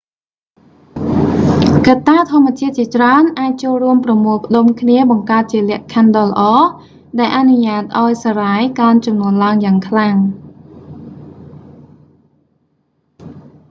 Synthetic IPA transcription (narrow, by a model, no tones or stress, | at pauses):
kat̪ːaːt̪ʰŏəmːɛ̆ət͡ɕiət̪̚t͡ɕiət͡ɕraənʔaːc̚t͡ɕoːlruəmprɑmuəlpə̆ɗomkʰniəɓɑŋkaət̪̚t͡ɕiəlɛ̆əʔkʰanɗɑːlə̆ʔɑː | ɗaɛlʔanuɲaːt̪̚ʔaɔjsaːraːjkaənt͡ɕɑmnuənlaəŋjaːŋkʰlaŋ